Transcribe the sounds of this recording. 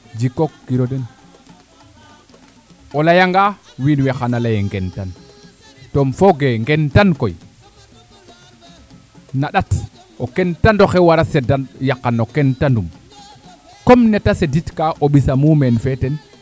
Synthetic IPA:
d͡ʒikokːiɾodɛn | ɔlajaŋɡa | winwɛxanalajɛŋɡɛntan | tɔmfoɡeŋɡɛntanko̰j | naɗat | ʔokɛntandoxɛwaɾasɛdajakːanokɛntandum | kɔmnɛtaseditkaʔoɓisamumɛnfɛtɛn

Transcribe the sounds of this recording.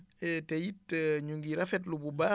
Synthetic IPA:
ɛtɛjitːɲuŋɡiɾafɛt̬lububa

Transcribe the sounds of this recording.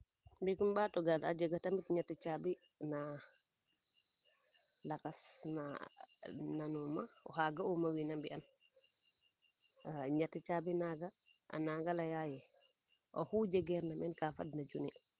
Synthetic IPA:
mbikumɓatɔɡala̰d͡ʒɛɡatamitɲatːit͡ʃabina | lakasna̰ | nanuma̰ɔ̰haɡaumawinambian | ɲatit͡ʃabinaɡaʔa̰naŋɡalajajɛ | ʔɔhud͡ʒɛɡɛɾnamɛnkafa̰dnad͡ʒuni

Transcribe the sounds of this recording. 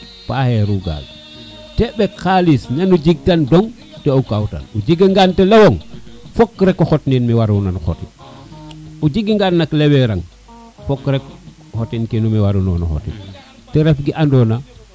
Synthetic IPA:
paheɾuɡa̰l | tebekalisɲanud͡ʒiɡ̚tandoŋ | teokawta̰nud͡ʒiɡiŋɡantelewoŋfokːɾekːoxotninmiwaɾunanxo̰tḭ | ud͡ʒiɡiŋɡanːakleweɾaŋ | fokːɾek | hotinkinumiwaɾuno̰nṵxo̰tḭ | tɛɾefɡiʔandoːna

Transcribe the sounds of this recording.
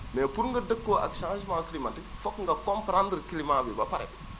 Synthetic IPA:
nɛːpuɾŋɡɐdəkːoːʔɐ̰kʃãːʒmãŋkilimantifɔkŋɡɐkɔmpɾãndɾkilimãŋbibɐpɐɾɛ̰

